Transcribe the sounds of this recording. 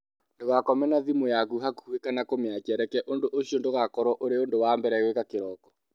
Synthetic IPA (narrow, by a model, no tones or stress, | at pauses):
ndoɣakɔmɛnaðimojakuɦakuuwekanakomeat͡ʃɛɾɛkɛʔondoʔoɕiondoɣakɔɾɔʔoɾeondowambɛɾɛɣwekakeɾɔkɔ̥